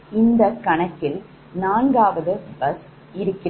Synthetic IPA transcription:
ɪnd̪ɐkɐɳɐt̪ːɪl | naːnɡaːʋɐðɯbɐs | ɪɾɯkːɪ

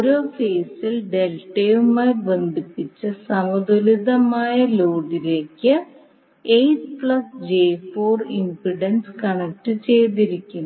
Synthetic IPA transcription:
oɾo̞ːkeːsilɖe̞lʈːeːjumaːlbe̞nd̪ʱipːit͡ɕːɨsɐmɐd̪uliðɐmaːjɐloːɖile̞ːkʲːɨ | ejspɭɐsd͡ʑeːfoːrinpɾiɖɐnskɐɳɐk̚ʈɨt͡ɕe̞jt̪iɾikʲːunː

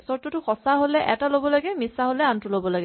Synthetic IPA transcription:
sɔtɔtʊxɔsaɦolɛʔɛ̰talobɔlaɡɛmisaɦolɛantʊlobɔlaɡɛ

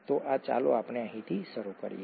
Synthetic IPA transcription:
t̪oʔat͡ʃa̰loapneəɦĩt̪ʰiʃəɾukə̰ɾije

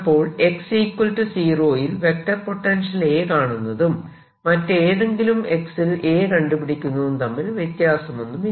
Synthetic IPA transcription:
pːo̞ːɭe̞ksikːulʈːɨsiːro̞ːjilʋe̞k̚ʈɐrpo̞ʈːɐnʂɐle̞ːkaːɳunːɐðumː | ɐtːeːðeŋɡilume̞ksile̞ːkɐɳɖupiɽikʲːunːuʋunt̪ɐmːilʋjet̪jaːsɐmo̞nːumi

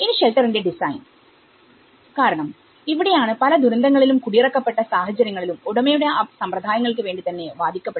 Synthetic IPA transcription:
eniɕelʈɐrinde̞ɖisɐjn | kaːɾɐɳɐm | iʋiɽe̞jaːɳɨpɐlɐd̪ʱuɾɐnd̪ɐŋːɐɭilumkuɽijrɐkːɐpːe̞ʈːɐsaːhɐt͡ɕːɐɾjɐŋːɐɭilumoɽɐmejuɽe̞ɐsɐmprɐd̪ʱaːjɐŋːɐɭkɨʋe̞ːɳɖit̪ɐnːe̞ʋaːd̪ʱikʲːɐpːe

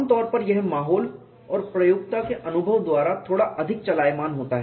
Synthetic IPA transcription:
mt̪ɔːɾpɐɾjɛɦmaːɦɔːl | ɔːɾpɾɐjʊɡ̚t̪akeʔɐnʊbʱəʋd̪waːɾat̪ʰoːɽaʔɐd̪ʱɪk̚t͡ʃɐlaːjmaːnɦoːt̪aɦɛː

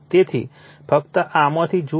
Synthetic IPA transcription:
t̪et̪ʰḭ | fək̚t̪əʔamõt̪ʰid͡ʒu

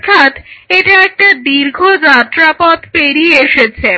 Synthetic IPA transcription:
t̪ʰat̪eʈaɛk̚ʈad̪iɾɡʱod͡ʑat̪ːɾapɔt̪peɾieeʃet͡ɕʰe

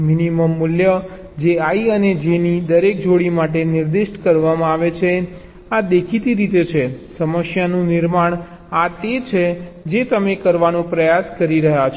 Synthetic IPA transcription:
miniməmːʊljə | d͡ʒeaiəned͡ʒenid̪əɾek̚d͡ʒoɽimaʈ̬enɪɾd̪ɪʃʈkəɾʋamãaʋet͡ʃʰe | ad̪ekʰit̪iɾit̪et͡ʃʰesəməʃjanũnɪɾmaɳ̃ | at̪et͡ʃʰed͡ʒet̪əmekəɾʋanũpɾəjaskəɾiɾəɦat͡ʃʰ

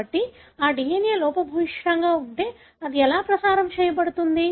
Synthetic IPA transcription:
ɐʈːi | aːɖiːjeːneːlɔːpɐbʱɐʋiʂaːŋɡaːuɳʈe̞ː | ɐd̪iɛlaːpɾɐsaːɾɐmt͡ʃɛːjɐp̬ɐɽut̪und̪i

